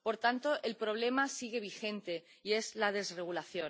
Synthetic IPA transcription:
po̞ɾt̪ant̪o̞ʔelpɾo̞βle̞masiɣe̞β̞ixe̞nt̪e̞ | ie̞zlað̞e̞zre̞ɣ̞ulaθjo

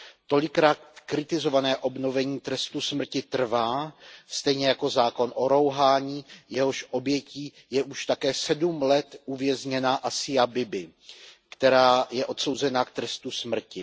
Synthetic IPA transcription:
t̪o̞lɪkɾaːt̪kɾɪt̪ɪzo̞vanɛːʔo̞bno̞vɛɲiːt̪ɾɛst̪usmr̩cɪt̪r̩vaːst̪ɛjɲɛjako̞zaːko̞nʔo̞ɾo̞wɦaːɲiːjɛɦo̞ʃʔo̞bjɛciː | jɛʔuʃt̪akɛːsɛdumlɛt̪ʔuvjɛzɲɛnaʔasɪjabɪbɪ | kt̪ɛɾaːjɛʔo̞t̪so̞wzɛnakt̪ɾɛst̪usmr̩cɪ

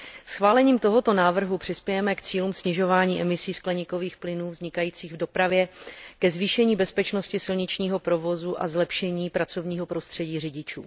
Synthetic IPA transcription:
sxvaːlɛɲiːmt̪o̞ɦo̞t̪o̞naːvr̩ɦupr̥ɪspjɛjɛmɛkt͡siːluːmsɲɪʒo̞vaːɲiːʔɛmɪsiːsklɛɲɪko̞viːxplɪnuːvzɲɪkajiːt͡siːɣvdo̞pɾavjɛkɛzviːʃɛɲiːbɛspɛt͡ʃno̞scɪsɪlɲɪt͡ʃɲiːɦo̞pɾo̞vo̞zuʔa̰zlɛpʃɛɲiːpɾat͡so̞vɲiːɦo̞pɾo̞st̪r̝̥ɛɟiːrɪɟɪt͡ʃṵː

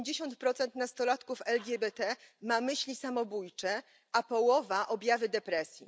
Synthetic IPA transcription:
d͡ʑeɕɔnt̪̚pɾɔt̪sɛnt̪nast̪ɔlat̪kufɛlɡʲɛbɛt̪ɛmamɘɕlʲisamɔbujt͡ʂɛ | apɔwɔvaʔɔbʲjavɘd̪ɛpɾɛsʲjḭ

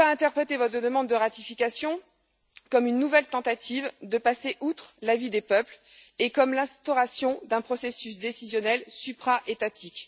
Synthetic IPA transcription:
aɛ̃t̪ɛʁpχet̪evɔt̪χəd̪əmɑ̃d̪ːəʁat̪ifikʲasjɔ̃ | kɔmynːuvɛlt̪ɑ̃t̪at̪ʰivd̪əpaseʔut̪χlavid̪epœpl | ekɔmlɛ̃st̪ɔʁasjɔ̃d̪ɛ̃pχɔsesys̬d̪esizjɔnɛlsypχaʔet̪at̪ʰikʲ

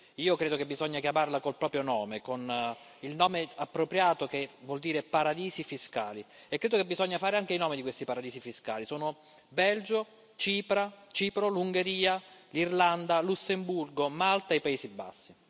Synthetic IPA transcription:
iːokɾeːd̪okebːizɔɲːakjamarlakolpɾɔːpɾjonɔːmekon | ilnɔːmeapːɾopɾjaːt̪okevwɔld̪iːɾepaɾad̪iːzifiska̰ːli | ekːɾeːd̪okebːizɔɲːafaːɾeaŋk̟einɔːmid̪ikwest̪ipaɾad̪iːsifiska̰ːlisoːno | bɛld͡ʒo | t͡ʃiːpɾat͡ʃiːpɾoluŋɡeɾiːalirland̪alusːemburɡomalt̪aepaeːsibːa̰sːi

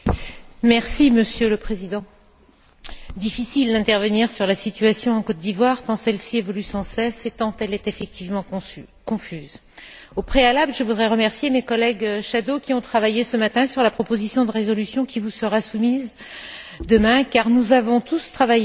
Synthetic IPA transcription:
mɛʁsiməsjøləpχezid̪ɑ̃ | d̪ifisild̪ɛ̃t̪ɛʁvəniʁsyʁlasit̪ɥasjɔ̃ɑ̃kɔt̪̚d̪ivwaʁt̪ɑ̃sɛlsiɛvɔlysɑ̃sɛset̪ɑ̃t̪ɛlɛt̪efɛk̚t̪ʰivmɑ̃ | kɔ̃fyz | opχealablʒəvud̪ʁɛʁəmɛʁsjemekɔlɛɡʃad̪okʲiɔ̃t̪χavajesəmat̪ɛ̃syʁlapχɔpozisjɔ̃d̪əʁezɔlysjɔ̃kʲivusəʁasumiz | d̪əmɛ̃kaʁnuzavɔ̃t̪ust̪χavaje

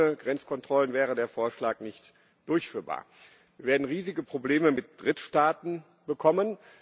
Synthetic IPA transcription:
əɡʁɛnt͡skʰɔntʁ̥ɔlənvɛːʁ̞ədeːɐfoːɐʃlaːknɪçt | d̥ʊɐçfyːɐba̰ːɐ̥ | viːɐveːɐdn̩ʁiːzɪɡəpʁ̥obleːməmɪt̚d̥ʁɪtʃtaːtn̩ | bəkʰɔmən

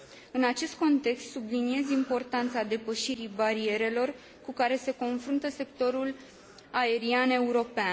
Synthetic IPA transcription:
ɨnat͡ʃe̞st̪̚ko̞nt̪e̞kst̪subliniezimpo̞rt̪ant̪sad̪e̞pəʃiɾibaɾie̞ɾe̞lo̞r | kukaɾe̞se̞ko̞nfɾunt̪əse̞kt̪o̞ɾul | ae̞ɾiane̞uɾo̞pea

